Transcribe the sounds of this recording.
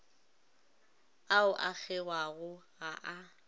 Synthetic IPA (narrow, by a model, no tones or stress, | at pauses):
aʊʔak͡xʰɛɣwaɣʊɣaʔa